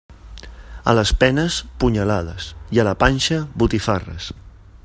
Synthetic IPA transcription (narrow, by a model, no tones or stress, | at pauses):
ə̰ləspɛnəspuɲəlaðəsiələpanʲʃəβut̪ifarə̰s